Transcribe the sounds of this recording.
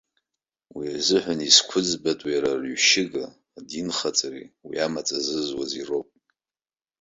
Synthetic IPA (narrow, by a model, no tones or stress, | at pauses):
wiazɨħʷᶣaniskʷʰʊd͡zbatʼwijaɾarɥʃɪɡa | dinχat͡sʼariwḭamat͡sʼazɨzwaziro̞wpʼ